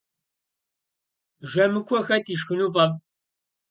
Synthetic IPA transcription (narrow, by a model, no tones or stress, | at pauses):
ʒɐmɨkʷʰɔxɐtʰiːʃxɨnuːvɐv